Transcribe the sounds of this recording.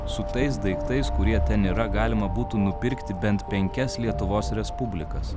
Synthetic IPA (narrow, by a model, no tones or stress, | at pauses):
sʊt̪ɐɪs̬d̪ɐɪkt̪ɐɪskʊɾʲiɛt̪ʲɛniːɾɐɡɑːlʲɪmɐbuːt̪uːnʊpʲɪɾʲkt̪ʲɪbʲɛnt̪pʲɛŋʲkʲɛslʲiɛt̪ʊʋoːsɾʲɛspʊbʲlʲɪkɐs